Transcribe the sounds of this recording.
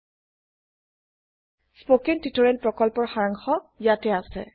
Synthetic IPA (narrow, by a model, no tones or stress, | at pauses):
spokentitɔɹɛn̚pɹɔkɔlpɔɹxaɹaŋxɔjatɛasɛ̰